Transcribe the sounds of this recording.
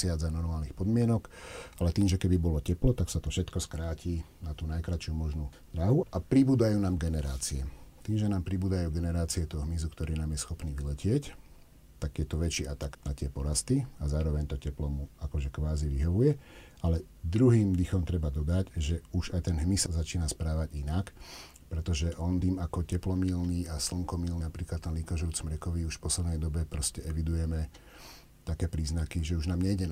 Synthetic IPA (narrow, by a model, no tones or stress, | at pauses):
ɪad͡zanɔɾmaːlnixpɔd̪mɪɛnɔkʔalɛt̪iːmʒɛkɛbibɔlɔcɛplɔt̪aksat̪ɔfʃɛt̪kɔskɾaːciː | nat̪uːnajkɾat͡ʃɪumɔʒnud̪ɾaɦuʔapɾibuːd̪ajuːnaːmɡɛnɛɾaːt͡siɛt̪iːmʒɛnaːmpɾibuːd̪ajuːɡɛnɛɾaːt͡siɛt̪ɔɔɦmizukt̪ɔɾiːnaːmjɛsxɔpniːʋilɛcɪɛc | t̪aɡjɛt̪ɔʋɛt͡ʃiːat̪aɡnat̪ɪɛpɔɾast̪iazaːɾɔʋɛɲt̪ɔcɛplɔmuakɔʒɛkʋaːziʋiɦɔʋujɛ | ʔalɛ | d̪ɾuɦiːmd̪ixɔmt̪ɾɛbad̪ɔd̪aɟʒɛuʒajt̪ɛnɦmisɔzat͡ʃiːnaspɾaːʋaɟinak | pɾɛt̪ɔʒɛʔɔnd̪iːmakɔcɛplɔmilniːasl̩ŋkɔmiːlnnapɾiːklat̪t̪ːɛnliːkaʒɾut͡sɔmɾɛkɔʋiuʃfpɔslɛd̪nɛjd̪ɔbɛpɾɔscɛɛʋid̪ujɛmɛ | t̪akɛːpɾiːznakiʒɛuʒnaːmɲɛjɟɛn